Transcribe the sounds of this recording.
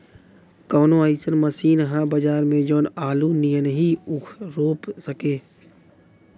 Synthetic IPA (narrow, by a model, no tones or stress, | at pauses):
kɔːnõəɪsənməsiːnɦãbəd͡ʒaːɾmẽd͡ʒoːnaːlunijənɦiʊkʰɾoːpsəkeː